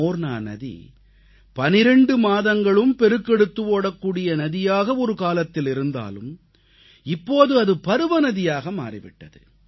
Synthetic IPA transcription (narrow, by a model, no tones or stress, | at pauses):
oːɾna̰ːnɐ̰ðḭ | pɐnɪɾɛɳɖɯmaːðɐŋɡɐɭɯmpɛɾɯkːɛɽɯt̪ːɯʋoːɽɐkːuːɽɪjɐnɐðɪjaːɣɐɔɾɯkaːlɐt̪ːɪlɪɾɯnd̪a̰ːlɯ̰m | ɪpːoːðɯɐðɯpɐɾɯʋɐnɐðɪjaːɣɐma̰ːrɪ̰ʋɪ̰ʈːɐðɯ̰